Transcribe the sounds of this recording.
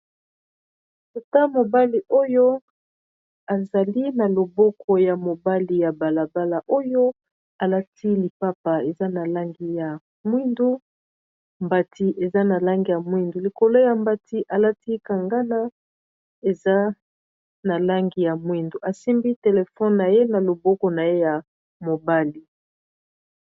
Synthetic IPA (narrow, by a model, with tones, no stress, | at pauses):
to˨ta˦mo˨ba˦li˨ʔo˦jo˦ | a˨za˨li˦na˨lo˨bɔ˦kʰɔ˨ja˨mo˨ba˦li˨ja˨ba˨la˨ba˦la˨ʔo˦jo˦ | a˨la˦tʰi˦li˨pa˦pa˨e˨za˦na˨la˦ŋɡi˨ja˨ | mwi˦ndu˦ | mba˨ti˨ʔe˨za˦na˨la˦ŋɡi˨ja˨mwi˦ndu˨li˨ko˨lo˦ja˨mba˨ti˦ʔa˨la˦ti˦ka˨ŋɡa˦na˦ | e˨za˦ | na˨la˦ŋɡi˨ja˨mwi˦ndu˨ʔa˨si˦mbi˦te˨le˨fɔ˦nna˨je˦na˨lo˨bɔ˦kɔ˨na˨je˦ja˨ | mo˨ba˦li˨